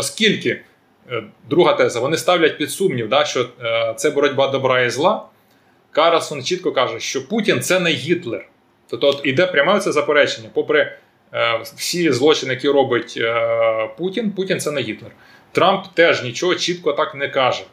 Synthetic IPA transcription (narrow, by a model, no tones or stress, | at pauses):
ɔskʲilʲkɪ | d̪ɾuɦɐt̪ɛzɐʋɔnɪst̪ɑwlʲɐt̚ʲpʲid̪sumnʲiwd̪ɑʃt͡ʃɔt̪sɛbɔɾɔdʲbɑd̪ɔbɾɑizlˠɑ | kɑɾelˠsɔnt͡ʃit̪̚kɔkɑʒɛʃt͡ʃɔputʲint̪sɛnɛɦʲit̪lˠer | t̪ɔpt̪ɔɔt̪id̪ɛpɾʲɐmɛɔtsɛzɐpeɾɛt͡ʃenʲːɐpɔpɾɛ | w̥sʲizlˠɔt͡ʃɪnɪjɐkʲiɾɔbɪtʲ | putʲinputʲint̪sɛnɛɦʲit̪lˠer | t̪ɾɑmpt̪ɛʒnʲit͡ʃɔɦɔt͡ʃit̪kɔt̪ɑknɛkɑʒɛ